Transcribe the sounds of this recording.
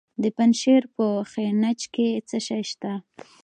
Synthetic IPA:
d̪əpanʃeɾpəxenat͡ʃket͡səʃajʃt̪a

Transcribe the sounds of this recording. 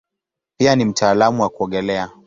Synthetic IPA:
pianim̩taːlamuwakuɔŋɡɛlɛa

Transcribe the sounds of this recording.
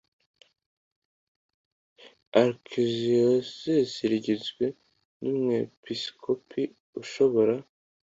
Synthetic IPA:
aɾkʰiziosesiɾiɟizɡwe̞ | numŋe̞piskʰopʰi | uʃo̞βo̞ɾa

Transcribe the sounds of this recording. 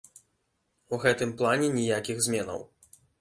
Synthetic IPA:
uɣɛt̪ɨmplˠanʲɛnʲijakʲiɣzmʲɛnɐ̰w

